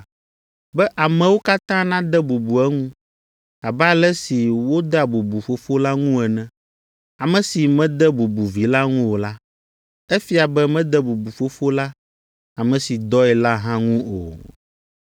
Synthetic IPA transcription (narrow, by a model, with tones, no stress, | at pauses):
bɛ˦ʔa˨mɛ̃˨wo˦ka˦t̪ã˦nã˦d̪ɛ˦bu˨bu˨ɛ˦ŋũ˦ | a˨ba˦lɛ˦si˨wo˦d̪ɛ˦a˨bu˨bu˨fo˨˦fo˦la˦ŋũ˦ɛ˨nɛ̃˨ | a˨mɛ̃˨si˨mɛ̃˦d̪ɛ˦bu˨bu˨vi˨la˦ŋũ˦wo˨la˦ | e˦fi˦a˨bɛ˦mɛ̃˦d̪ɛ˦bu˨bu˨fo˦fo˦la˦ | a˨mɛ̃˨si˨d̪ɔ˦ɛ˨la˦ɦã˦ŋũ˦o̰˨